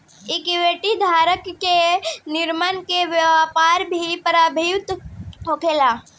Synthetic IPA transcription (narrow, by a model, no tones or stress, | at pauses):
ɪkʋeːʈid̪ʱaːɾəkːenɪɾmənkeʋjəʋaːpaːɾbʱipəɾaːbʱiwt̪ɦoːkʰeːlaː